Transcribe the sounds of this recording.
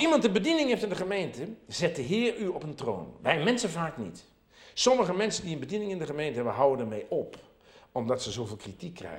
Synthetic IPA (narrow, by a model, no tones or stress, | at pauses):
imɑntəbədinɪŋɦeftɪndəχəmejntəzɛt̚dəɦɪːryɔpəntro̰ːnʋɛjmɛnsəvaːknḭt | sɔməɣəmɛnsəndiənbədinɪŋɪndəχəmejntəɦɛbənɦawəndərmejʔɔp | ɔmdɔtsəzoːvɪːlˠkritikʰːrɛ̰